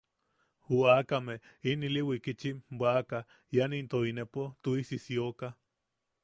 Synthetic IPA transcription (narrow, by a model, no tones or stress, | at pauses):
huakameiniliwikit͡ʃimbaka | janint̪oinepot̪uisisioka